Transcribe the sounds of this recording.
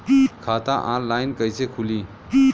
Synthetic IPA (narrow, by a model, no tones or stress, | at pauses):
kʰaːt̪aʔãnlajnkəjsekʰuli